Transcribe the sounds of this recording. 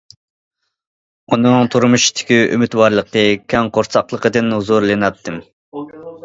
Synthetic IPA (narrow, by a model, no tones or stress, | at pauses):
unɨŋt̪ʰuɾmuʃt̪ʰɪ̥kʲyʔymyt̪wɑɾlˠəqəkʲʰɛŋqʰoɾsɑqlˠəqəd̪ɨnhuzuɾlˠɪnɑt̪ʰːɨm